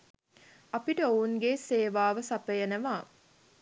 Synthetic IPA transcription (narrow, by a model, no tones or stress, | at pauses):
apiʈəounɡeːseːʋaːʋəsapəjənəʋaː